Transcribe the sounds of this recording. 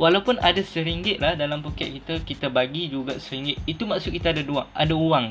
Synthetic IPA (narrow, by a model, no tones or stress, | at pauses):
walawpʊnadasəɾiŋɡɪt̪̚lahdalampokɛʔ̪̚kit̪akit̪abaɡid͡ʒuɡasəɾiŋɡɪt̪̚it̪umaksʊt̪̚kit̪aːdaduaa̰dauwaŋ